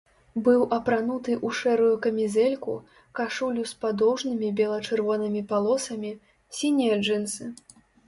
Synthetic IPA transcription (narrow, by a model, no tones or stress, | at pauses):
bɨwʔɐpɾanut̪ɨʔuʂɛɾujukɐmʲizɛlʲkṵ | kaʂulʲuspad̪ɔwʐnɨmʲibʲɛlˠɐt͡ʂɨrvɔnɨmʲipalˠɔsɐmʲi | sʲinʲijɐd͡ʐɨnsɨ